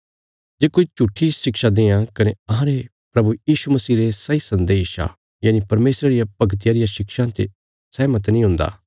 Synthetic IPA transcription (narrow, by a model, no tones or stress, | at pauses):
d͡ʒeːkoːit͡ʃuʈʰːiʃɪkʃad̪eːãkɐneɐɦãɾe | pɾɐbujiːʃumɐsiːɾesɐisɐ̃nd̪eːʃa̰ | jaːnipɐɾmeːsɾaɾɪjapɐɡt̪̬ɪjaːɾɪjaʃɪkʃãt̪ḛ | sɛːmɐt̪nĩɦʊ̃nd̪a̰ː